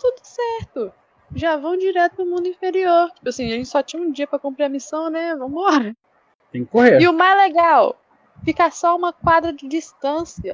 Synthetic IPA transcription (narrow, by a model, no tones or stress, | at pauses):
t̪ud̪ʊsɛɾt̪ʊ | ʒavɐ̃w̃d͡ʒiɾɛt̪ʊnʊmũnd̪ʊĩfeɾioɾt͡ʃi̥pʊasĩaʒẽnt͡ʃɪ̥sɔt͡ʃĩɲũd͡ʒiɐpɾɐkũmpɾeɾɐmisɐ̃w̃nɛvɐ̃w̃ʊɔɾɐ | t̪ẽkɪkoheɾɪʊmajzleɡaw | fikasɔũmɐkwad̪ɾɐd͡ʒɪd͡ʒist̪ɐ̃siɐ